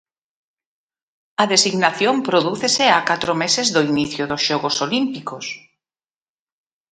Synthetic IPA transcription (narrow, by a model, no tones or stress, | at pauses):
ɐðesiɣnaθjompɾoðuθeseakat̪ɾomesezðoiniθjoðosʃɔɣosolimpikos